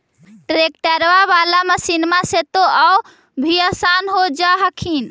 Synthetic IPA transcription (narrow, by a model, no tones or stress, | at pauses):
ʈɾek̚ʈəɾʋaβalamesinmaset̪oau | bʱiəsanɦod͡ʒaɦəkʰin